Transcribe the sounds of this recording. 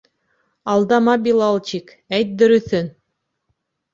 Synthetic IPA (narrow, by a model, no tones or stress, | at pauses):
ɑlˠd̪ɑmɑbʲilˠɑlˠt͡ɕik | æjt̪̚d̪ɵ̆ɾɵ̆θɵn